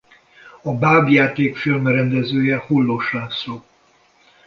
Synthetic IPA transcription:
ɒbaːbjaːt̪eːkfilmrɛnd̪ɛzøːjɛhulːoʃaːksoː

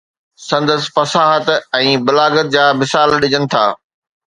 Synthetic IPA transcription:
sɐ̃nd̪əsfɐsaːɦət̪ɛ̃ːbʊlaːɡət̪̚d͡ʑaːmɪsaːlɗɪd͡ʑənɪ̆t̪ʰa̰ː

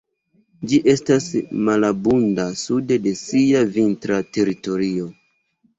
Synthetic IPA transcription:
d͡ʒiʔe̞stasmalabundasude̞de̞siavintɾate̞ɾito̞ɾio̞

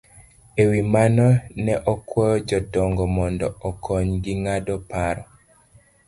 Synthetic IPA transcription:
ewimanɔnɛʔɔkwɔjɔd͡ʒɔdɔŋɡɔmɔndɔɔkʰɔɲɡiŋadɔpaɾɔ

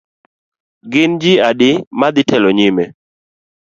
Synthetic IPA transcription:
ɡɪnd͡ʒɪadɪmad̪ɪtʰɛlɔɲɪmɛ

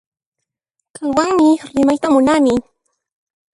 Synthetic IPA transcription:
kaŋwaŋmɪɾɪmajt̪amʊnamɪ

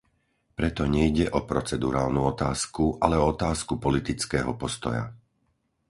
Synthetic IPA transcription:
pɾɛt̪ɔɲɛjɟɛʔɔpɾɔt͡sɛd̪uɾaːlnuɔt̪aːskuʔalɛɔɔt̪aːskupɔlit̪it͡skɛːɦɔpɔst̪ɔ̰ja̰

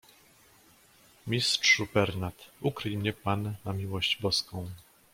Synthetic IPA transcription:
mʲist̪ʂubɛɾnat̪ukɾɘjmɲɛpanːamʲiwɔɕd͡ʑbɔskɔ̃w̃

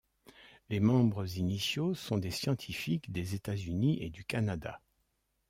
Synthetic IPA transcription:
lemɑ̃bʁəzinisjosɔ̃d̪esjɑ̃t̪ʰifikd̪ezet̪azyniʔed̪ykanad̪a̰

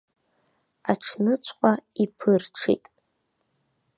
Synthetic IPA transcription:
aʈ͡ʂʰnɨt͡ɕʷʰʼqʷʼaipʰɨrʈ͡ʂʰḭtʼ

